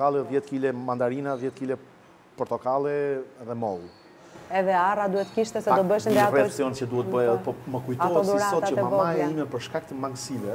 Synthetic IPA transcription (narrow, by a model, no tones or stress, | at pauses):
alˠɛðjɛt̪kilɛmand̪aɾinaðjɛt̪̚kilɛ | pɔɾt̪ɔkalˠɛðɛmɔlu | ɛðɛarad̪uɛt̪kiʃt̪ɛsɛd̪ɔbəʃinarɛsiɔnt͡ʃəd̪uhɛt̪bəjɛɛpɔməkujtɔɔd̪ɔɾasɔt̪at͡ʃəmamajɛimɛpəɾʃkak̚t̪əmaŋɡsilɛ